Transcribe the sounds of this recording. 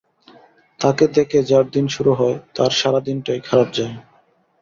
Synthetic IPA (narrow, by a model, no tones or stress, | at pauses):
t̪aked̪eked͡ʑaɾd̪inʃuɾuɦɔet̪aɾʃaɾad̪inʈajkʰaɾap̚d͡ʑae